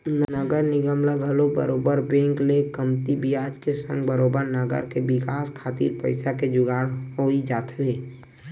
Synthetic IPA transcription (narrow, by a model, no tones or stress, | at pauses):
nnəɡəɾnɪɡəmlaɡʱəlobə̰ɾoːbəɾbɛ̃ːŋklekəmt̪ibijaːd͡ʒkesə̃ŋɡbəɾoːbəɾnəɡə̰ɾkebɪkaːskʰaːt̪ḭːɾpə̰ɪsaked͡ʒʊɡaːɽɦoːid͡ʒaːt̪ʰeː